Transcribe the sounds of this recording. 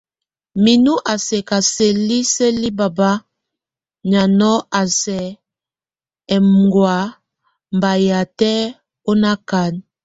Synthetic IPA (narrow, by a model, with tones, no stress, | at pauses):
mi˨nu˦ʔa˨se˨ka˨se˨li˦se˦li˦ba˨ba˦ | ɲa˨nɔ˦a˨sɛ˨ | ɛ˨m˨ɡwa˨˦ | mba˨ja˨tɛ˦ | o˦na˦ka˨n